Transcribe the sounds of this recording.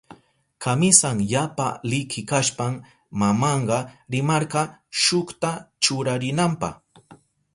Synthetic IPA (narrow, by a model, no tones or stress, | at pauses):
kamɪsaŋjapa̰lɪkʰɪkaʃpam | mamɑɴɢɑɾɪmɑɾɢɑʃʊkt̪at͡ʃʊɾaɾɪnampɑ̰χ